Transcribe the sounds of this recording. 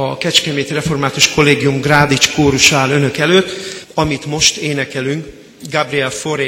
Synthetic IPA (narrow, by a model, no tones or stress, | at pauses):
ɒkɛt͡ʃkɛmeːt̪irɛfo̞rmaːt̪uʃko̞lːeːɡijumɡraːd̪it͡ʃkoːɾuʃaːlø̞nø̞kɛløːt̪ːɒmit̪mo̞ʃt̪eːnɛkɛlyŋk | ɡabriɛlfo̞ɾeː